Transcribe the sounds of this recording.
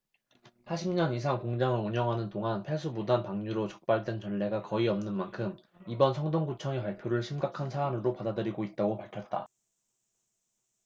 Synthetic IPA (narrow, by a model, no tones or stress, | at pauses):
haɕʰimɲʌnis̬ʰaŋkoŋd͡ʑaŋɯɭuɲʌŋɦanɯndoŋanpʰesʰubudanpaŋɲuɾot͡ɕʌk̚p͈aɭdwe̞nt͡ɕʌnːe̞ɡakʌiʌmnɯnmankʰɯm | ibʌnsʰʌŋdoŋɡut͡ɕʰʌŋepaɭpʰjoɾɯɭɕʰimɡakʰansʰaːmɯɾopadadɯɾiɡoit̚t͈aɡopaɭkʰjʌt̚t͈a̰